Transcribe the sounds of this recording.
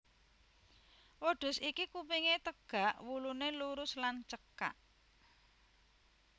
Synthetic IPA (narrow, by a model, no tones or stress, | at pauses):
woɖ̥ʊ̤sikikupiŋet̪əɡ̥ä̤ʔwuluneluɾʊslant͡ʃəka̰ʔ